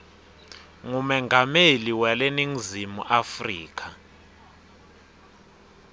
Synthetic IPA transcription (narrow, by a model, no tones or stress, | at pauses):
ŋumɛŋɡʱameliwɛleniŋizimṵʔafriːk̬ʰa